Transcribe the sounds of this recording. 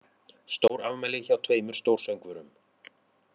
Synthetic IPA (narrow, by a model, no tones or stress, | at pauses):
st̪owɾavmɛjlɪçawt̪ʰveːjmʏɾ̥st̪owɾ̥sœɥwŋkvʏɾʏm